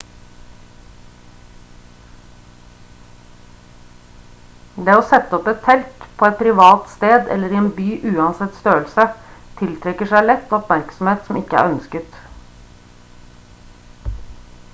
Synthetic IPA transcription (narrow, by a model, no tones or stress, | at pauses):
d̪eːoːsɛt̪ːəɔpɛt̪ʰːɛlkpʰoːɛt̪̚pʰɾɪʋɑːt̪st̪eːd̪ɛ̰lːəɾiːeːnbyːʔʉːɑnsɛt̪st̪øːlsət̪ʰɪlt̪ʰɾɛkəʂæɪlɛt̪ːɔpmæɾksɔm̩heːt̪sɔmɪkːəæ̰ːɾœnskət̪